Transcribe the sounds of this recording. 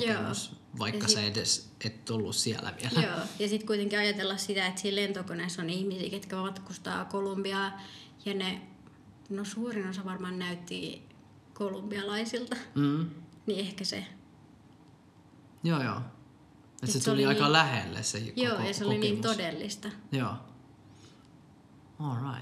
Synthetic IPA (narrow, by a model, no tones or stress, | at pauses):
joːs | ʋɑikːɑseedes | et̪t̪ulːussiælæ̰ʋiæljæoːjɑsit̪kuit̪eŋkiɑjɑt̪elːɑssit̪æet̪siːlent̪okonesonihmisḭːket̪kæmɑt̪kust̪ɑ̰ːkolumbiɑːjɑne | nosuːrinosɑʋɑrmɑːnnæyt̪ːḭ | kolumb̥iɑlɑisilt̪ɑm̩ː | niehkæsḛ | joːjo̰ː | etsset̪seoliɑikɑlæhḛlːḛssehikjoːjɑseoliniːnt̪odelːist̪ɑjoː | olɹɑit̪